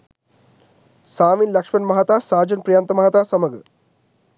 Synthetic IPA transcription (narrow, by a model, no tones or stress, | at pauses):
saːʋinlɐkʂmɐnmɐɦat̪aːsaːd͡ʒɐnpɾijaːnt̪ɐmɐɦɐt̪aːsɐmɐɡɐ̰